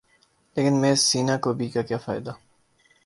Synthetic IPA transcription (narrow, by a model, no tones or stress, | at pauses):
leːkɪnmẽːsiːnakobʱiːkakjaːfa̰ːɪd̪a